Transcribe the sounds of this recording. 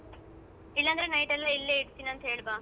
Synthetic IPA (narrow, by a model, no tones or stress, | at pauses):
ilːɐnd̪ɐɾenɐjʈɛlːɐilːeːiɽt̪ːiːnɐnt̪ɐɦeːɭbaː